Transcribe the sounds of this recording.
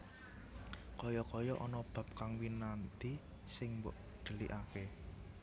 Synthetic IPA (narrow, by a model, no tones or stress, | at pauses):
kɔjɔkɔjɔʔɔnɔb̥ä̤p̚kaŋwinant̪i | sɪŋmbɔ̰ʔ | ɖ̪̥ə̤lḭʔake